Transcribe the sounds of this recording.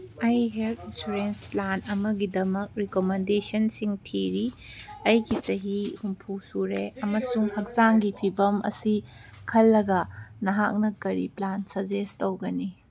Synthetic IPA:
ɐjɦeltinsuɾensplanɐmɐɡidɐmɐk̚ɾikomendesɐnsiŋtʰiɾiɐjɡisɐɦihumpʰusuɾeʔɐmɐsuŋhɐk̚zaŋɡipʰibɐmɐ̰sikʰɐlːɐɡɐnɐɦak̚nɐkɐɾḭplansɐɾd͡ʒestowɡɐni

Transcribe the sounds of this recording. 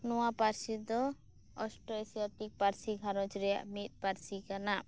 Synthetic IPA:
nɔwapaɾsid̪ɔ | ɔsʈɔesijatik̚paɾsiɡʱaɾɔ̃t͡ʃɾɛja̰ʔmit̪̚paɾsikana

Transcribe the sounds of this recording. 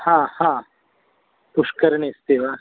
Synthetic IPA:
hãːhãː | pʊʃkəɾɳest̪eːʋa

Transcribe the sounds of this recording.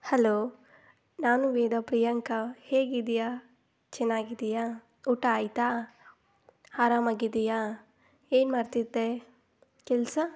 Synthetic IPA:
hɐloː | naːnuʋɛːd̪ɐpɾijɐŋkɐheːɡid̪ija | t͡ʃɛnːaːɡid̪ijaː | uʈaːjt̪aː | aːɾaːmaːɡid̪ija | eːnmaːɾt̪id̪ːe | kɛlsɐ

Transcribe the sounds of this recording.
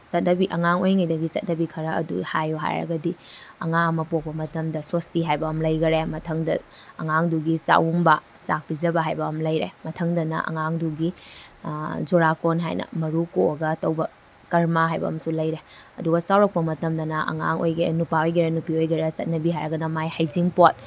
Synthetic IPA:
sɐt̚nɐbiʔɐŋaŋojŋɐjdɐɡisɐt̚nɐbikʰɐɾɐɐ̰dṵhajuɦa̰jɾɐ̰ɡɐdiɐŋaŋɐmɐpok̚pɐmɐtɐmdɐsostiɦajbɐːmlɐjɡɐɾemɐtʰɐŋdɐ | ɐŋaŋduɡisa̰wumbɐ | sak̚bizɐbɐɦajbɐːmlɐjɾḛmɐtʰɐŋdɐnɐ̰ʔɐ̰ŋaŋduɡi | zuɾakonɦa̰jnɐ̰mɐɾukoɐɡɐːtɐwbɐ | kɐɾmaɦajbɐ̰ːmsulɐjɾe | ɐduɡɐsawɾɐk̚pɐmɐtɐmdɐnɐʔɐ̰ŋa̰ŋo̰jɡenupaojɡɐɾɐnupiojɡɐɾɐsɐt̚nɐbiɦajɾɐɡɐnɐmajhajziŋpot̚

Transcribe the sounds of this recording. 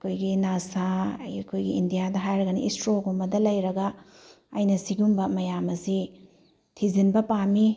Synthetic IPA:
ɐkʰojɡinasakʰojɡiindijadɐɦajɾɐɡɐnḭistɾoɡumbɐdɐlɐjɾɐɡɐ | ɐjnɐsiɡumbɐmɐjamɐsi | tʰizinbɐpami

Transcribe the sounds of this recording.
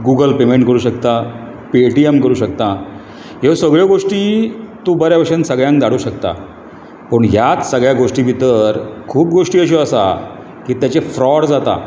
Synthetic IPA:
ɡuɡəlpemeɳʈkəɾuːɕəkt̪a | piʈiemkəɾuːɕəkt̪a | ɦeʋsəɡɭjɔɡoʂʈiːt̪uːbəɾjaʋəʂənsəɡɭjãŋkd̪aɽuːɕəkt̪a̰ | pəɳjat͡ssəɡɭjaɡoʂʈiʋit̪əɾkʰuːp̚ɡoʂʈiːəɕ̬ɔəsa̰ | kiːt̪jat͡ɕefɾɔɽd͡zat̪a̰

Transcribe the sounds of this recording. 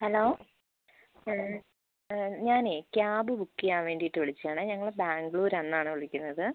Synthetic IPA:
hɐloː | ɲaːneːkjaːbɨbukːijaːʋe̞ːɳɖijiʈːɨʋiɭit͡ɕːaːɳɨːɲɐŋːɐɭbaːŋɡɭuːɾɐnːaːɳɨʋoɭikʲːunːɐðɨ

